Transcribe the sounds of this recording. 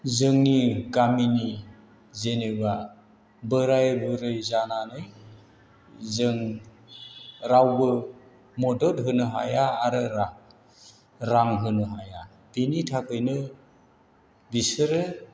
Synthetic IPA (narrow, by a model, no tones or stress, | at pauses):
zɯŋniɡamini | zeneba | bɯɾajbɯɾɯjzananɯj | zɯŋ | ɾawbɯ | mɔdɔlɦɯnɯɦa̰jaːɾɯɾa | ɾaŋɦɯnɯɦaja | binitʰakɯjnɯ | bisɯɾɯ